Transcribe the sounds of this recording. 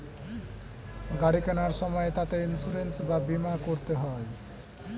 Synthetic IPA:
ɡaɽikanaɾʃɔmɔet̪at̪einsuɾensbabimakoɾt̪eɦɔe

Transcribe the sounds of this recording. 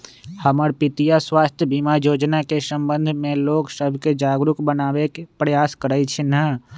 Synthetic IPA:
həməɾpɪt̪ijaswaːst̪ʰjəbimajoːd͡ʒnakesə̃mbə̃nd̪ʱmẽloːksəbʱked͡ʒaːɡɾʊkbənaːbekepɾəjaːskəɾəit͡ʃʰinə

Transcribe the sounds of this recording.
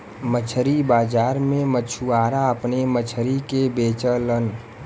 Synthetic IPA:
mət͡ʃʰəɾibaːd͡ʒaːɾmẽmət͡ʃʰuaːɾaəpnemət͡ʃʰɾikebeːt͡ʃələn

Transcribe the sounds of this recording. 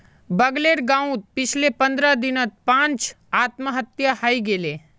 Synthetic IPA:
bəɡleːɾɡãːũt̪̚pɪt͡ʃʰlepə̃nd̪ɾad̪ɪnət̪̚pãːnt͡ʃ | aːt̪məɦət̪jahaːiɡeːleː

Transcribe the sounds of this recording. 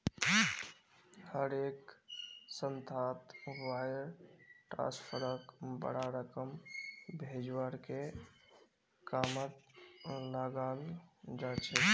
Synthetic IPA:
həɾek | sənt̪ʰat̪wajəɾʈɾã̰spʰəɾəkbə̰ɽaɾəkəmbʱed͡ʒwaɾke | kamət̪ləɡald͡ʒat͡ʃʰɛ

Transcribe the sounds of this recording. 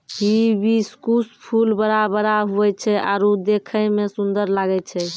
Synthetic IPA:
ɦibiskuspʰulbəɾabəɾaɦuɛt͡ʃʰɛa̰ɾud̪ekʰəmesund̪əɾlaɡɛt͡ʃʰɛ

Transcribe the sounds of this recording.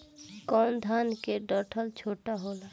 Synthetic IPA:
kɔnd̪ʱankeɖəʈʰəlt͡ʃʰoʈaɦola

